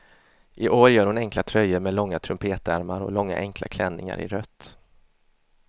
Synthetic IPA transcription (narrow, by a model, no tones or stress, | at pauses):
ʔɪʔoːɾjœːɾhʊnɛŋklat̪ʰɾœjːəɾmɛːd̪lɔŋːat̪ʰɾɵmpʰeːt̪æɾmaɾɔ̰lɔŋːa̰ʔɛŋkʰla̰kʰlɛnːɪŋa̰ɾɪ̰ɾœt̪ː